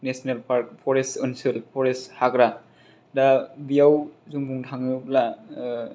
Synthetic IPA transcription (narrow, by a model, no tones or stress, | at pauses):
nesnelpʰaɾk̚pʰɔɾesɯnsɯlpʰɔɾeshakɾa | dabijawzuŋbuŋtʰaŋɯpla